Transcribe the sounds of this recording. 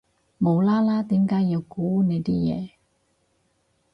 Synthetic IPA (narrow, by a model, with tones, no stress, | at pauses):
mo˨˧wlaː˥laː˥t̪iː˨˥mkaː˨˥jiː˨˧wkuː˨˥ne˨˧jt̪iː˥jɛ̰ː˨˧